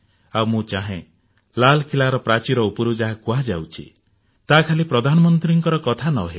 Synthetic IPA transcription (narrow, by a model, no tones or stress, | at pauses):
awmũt͡ʃaɦẽ | lalkʰilaɾɔpɾat͡ʃiɾɔupɔɾud͡ʒaɦakuad͡ʒa̰wt͡ʃʰḭ | t̪akʰalipɾɔd̪ʱanɔmɔnt̪ɾiŋkɔɾɔkɔt̪ʰanɔɦe